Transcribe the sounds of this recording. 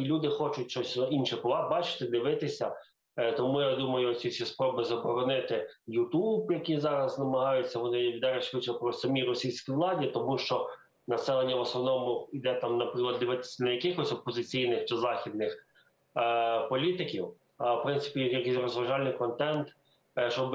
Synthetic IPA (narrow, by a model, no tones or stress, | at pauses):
lʲud̪ɪxɔt͡ʃʊt̚ʲʃt͡ʃɔsʲinʃɛpʊʋˠɑbɑt͡ʃɪ̥t̪ɪd̪ɪʋɪt̪ɪsʲɐ | t̪ɔmujad̪umɐjʊɔsʲisʲispɾɔbɪzɐbɔɾɔnɪt̪ɪ | jut̪ubjɐkizɑɾɐznɐmɐɦɑjʊt͡sʲːɐʋɔnɪʋʲd̪ɛɾɛʃʋɪt͡ʃɛpɾɔsɐmʲiɾɔsʲijsʲkʲiʋlˠɑdʲit̪ɔmuʃt͡ʃɔ | nɐsɛlˠenʲːɐʋɔsnɔʋnɔmʊid̪ɛt̪ɑmnɐpɾɪklˠɐd̪d̪ɪʋɪt̪ɪ̥sʲɐnɐjɐkɪxɔsʲɔpːɔzɪt͡sʲijnɪxt͡ʃɪzɑxʲid̪nɪx | pɔlʲit̪ɪkʲiw | wpɾɪnsɪ̥pʲijjɐkijsʲrɔzʋɐʒɑlʲnɪjkɔnt̪ɛnt̪ | t͡ʃɔb